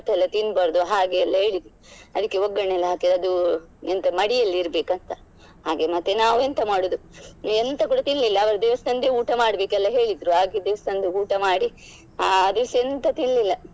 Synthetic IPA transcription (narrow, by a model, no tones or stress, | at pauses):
t̪ːɛlːɐt̪inbɐɾd̪uɦaːɡeːlːɐɦe̞ːɭid̪i | ɐd̪ɐkːeoɡːɐɳɛlːɐɦaːkeɐd̪uent̪ɐmɐɽijɐlːiiɾbeːkɐnt̪ɐ | ɦaːɡemɐt̪ːenaːʋent̪ɐmaːɽud̪uent̪ɐk̬uːɽɐt̪iɭlilːɐːʋɐɾɐd̪eːʋɐst̪ɐnd̪euːʈɐmaːɽbeːkɛlːɐɦe̞ːɭid̪ɾuɦaːɡed̪eʋɐst̪ɐnd̪uuːʈɐmaːɽi | aɐd̪usent̪ɐt̪iɭlilːɐ